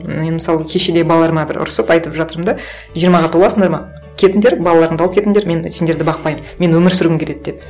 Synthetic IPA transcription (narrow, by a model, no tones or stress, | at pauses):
enmɪsɑlˠəkʲʰe̞ʃed̪ebɑlˠlˠɑɾmɑbɪɾʊ̰ɾsəpɑjt̪əpʒɑt̪əɾəmd̪ɑ | ʒijəɾmɑʁɑt̪ʰolˠɑsəɴd̪ɑɾmɑ | kʲʰe̞t̪ɪnd̪eɾbɑlˠɑlˠɑɾəɴd̪ɑlˠəpkʰʲe̞t̪ɪnd̪eɾme̞nsend̪e̞ɾd̪ɪbɑq̚pɑjmme̞nwɵmɪɾsʏɾɡɪmkʰʲet̪e̞d̪̚d̪ep